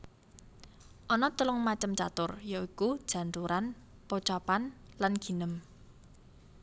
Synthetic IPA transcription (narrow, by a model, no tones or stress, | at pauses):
ʔɔnɔt̪əlʊŋmat͡ʃəmt͡ʃat̪ʊrjɔikud̥ʒ̥ä̤nt̪uɾan | pɔt͡ʃɔpanlanɡ̥i̤nəm